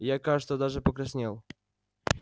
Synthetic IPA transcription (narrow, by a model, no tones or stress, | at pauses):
jakat̪od̪aʐɨpəkɾɐsʲnʲelˠ